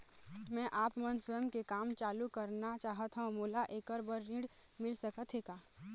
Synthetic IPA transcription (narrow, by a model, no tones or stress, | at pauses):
mɛ̃ːʔaːpmənsəjəmkekaːmt͡ʃaːlukɐɾnat͡ʃaːɦət̪ɦãmoːlaʔeːkəɾbəɾːĩːɽ | mɪlsəkət̪ʰɦeːkaː